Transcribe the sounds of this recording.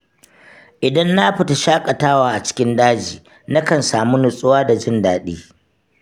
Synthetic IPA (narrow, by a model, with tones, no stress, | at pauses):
ʔɪ˨dɐ˦nːa˦ɸɪ˨ta˨ʃaː˦kʼɐ˨taː˦waː˨ʔa˨t͡ʃɪ̥˦kʲɪ˦ndaː˦d͡ʒiː˨ | na˦kɐ˨nsaː˨mu˦nʊ˨sʼʊ˦waː˦da˨d͡ʒɪ˦ndaː˨ɗiː˦